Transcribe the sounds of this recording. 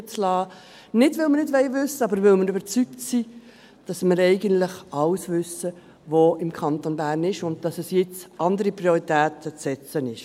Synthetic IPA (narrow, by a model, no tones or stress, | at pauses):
t͡slɑː | nɪdvɪlˠmənɪdvʋɛɪvʏsːəɑbəɾʋɪlməɾøbəɾt͡syk̚tsiː | d̥ɑsmɪɾɛɪɡəntlɪχɑlsvʏsə | voɪmkʰɑntonbæːɾnɪʃʊnd̚d̥ɑsɛsjɪt͡sʔɑndəɾipɾioɾitæːtət͡sɛt͡sənɪʃ